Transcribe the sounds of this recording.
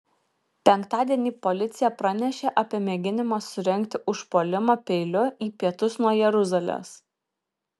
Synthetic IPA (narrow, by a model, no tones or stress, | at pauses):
pʲɛŋˑkt̪ɑːd̪ʲiɛnʲiːpɔlʲɪt̪sʲɪjɛpɾɐnʲɛʃʲeːʔɐpʲiɛmʲɛɡʲɪnʲɪmɑːsʊɾʲɛŋʲkt̪ʲɪʔʊʃpoːlʲɪmopʲɛɪlʲʊiːpʲiɛt̪ʊsnuɔjɛɾʊzɐlʲo̰ːs